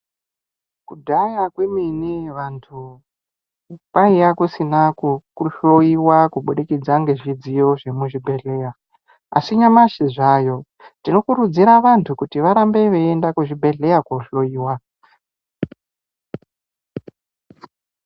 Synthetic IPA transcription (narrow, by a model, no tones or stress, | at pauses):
kudʱajakweminiʋantʰu | paijakusinakukuɬo̞iwakuɓuɗikid͡zaŋɡe̞ʐid͡zijo̞ʐe̞muʐibʱe̞ɮe̞ːja | a̰siɲamaʃiʐaːjo̞ | ntino̞kuɾud͡ziɾaʋantʰukutiʋaɾambe̞ʋe̞endakuʐibʱe̞ɮe̞jakoɬo̞iːwa